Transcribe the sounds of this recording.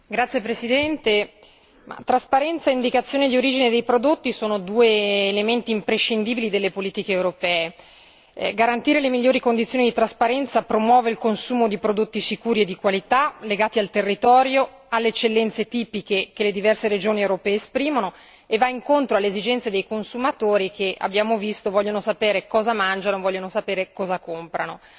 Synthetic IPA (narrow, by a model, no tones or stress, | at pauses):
ɡɾat̪sjepɾesid̪ɛnt̪e | ma̰t̪ːɾaspaɾɛnt̪saeind̪ikat̪sːjoːned̪ioɾiːd͡ʒined̪ejpɾod̪ot̪ːisoːnod̪uːeːlement̪iːmpɾeʃːind̪iːbilid̪elːepoliːt̪ikeːewɾopɛːe | ɡaɾant̪iːɾelemiʎːoːɾikond̪it̪sjoːnid̪it̪ɾaspaɾɛnt̪sapɾomwɔːveilkonsuːmod̪ipɾod̪ot̪ːisikuːɾied̪ːikwalit̪aleɡaːt̪ialt̪erːit̪ɔːɾjo | alːeet͡ʃːelːɛnt̪set̪iːpikekeled̪ivɛrseɾed͡ʒoːniewɾopɛːeespɾiːmono | evːaiŋkont̪ɾoalːeezid͡ʒɛnt̪sed̪ejkonsumat̪oːɾikea̰bːjaːmovist̪ovɔʎːonosapeːɾekɔːzamand͡ʒanoevɔʎːonosapeːɾekɔːzakompɾano